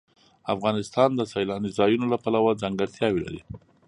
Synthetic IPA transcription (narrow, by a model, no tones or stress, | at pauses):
afɣɑnɪst̪ɑnd̪əsajlɑnizɑjunolapalawad͡zaŋɡaɽt̪ʰjɑwila̰ɾi